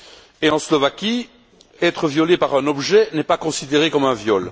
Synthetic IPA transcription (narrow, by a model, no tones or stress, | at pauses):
eɑ̃slɔvakʲi | ɛt̪χəvjɔlepaʁɛ̃nɔbʒɛnɛpakɔ̃sid̪eʁekɔmɛ̃vjɔl